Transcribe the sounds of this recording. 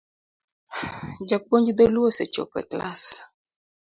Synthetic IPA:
d͡ʒak͡poɲd͡ʒid̪oluoset͡ʃo̰pɛ̰kla̰s

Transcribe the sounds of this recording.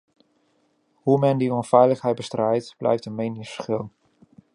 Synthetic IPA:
humɛndiɔnfɛjləχɦɛjt̚bəstrɛjtb̥lʔɛ̰jftənmejnɪsχɪlˠn

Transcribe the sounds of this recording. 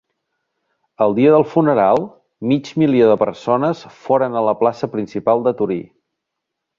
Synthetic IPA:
əlˠd̪iəðəlˠfunəɾalˠ | mid͡ʒmilioðəpə̰ɾsonəsfoɾənələplasəpɾinsipalˠd̪ət̪uɾḭ

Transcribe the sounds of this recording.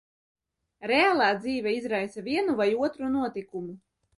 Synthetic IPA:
ɾeaːlˠaːd̪ziːvʲɛizɾajsaviɛnuvajuɔt̪ɾunuɔt̪ikumu

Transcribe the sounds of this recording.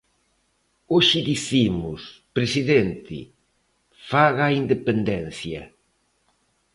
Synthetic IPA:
oʃɪðiθimʊspɾesiðent̪ɪ̰ | faɣaːind̪epend̪ɛnθjɐ̰

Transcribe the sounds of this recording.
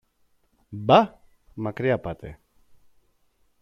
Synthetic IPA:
ba | makɾiapat̪ḛ

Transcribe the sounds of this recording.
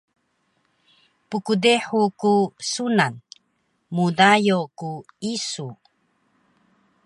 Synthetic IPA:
pukudeħukusunan | mudajokuisu

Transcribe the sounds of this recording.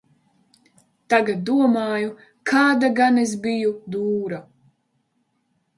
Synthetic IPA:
t̪aɡat̪̚d̪uɔmaːju | kʰaːd̪aɡanezbijud̪uːɾa

